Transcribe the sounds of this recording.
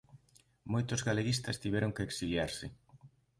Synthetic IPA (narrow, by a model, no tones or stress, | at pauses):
mojt̪ʊzɣaleɣist̪ɐst̪iβɛɾʊŋkeːksiljaɾsɪ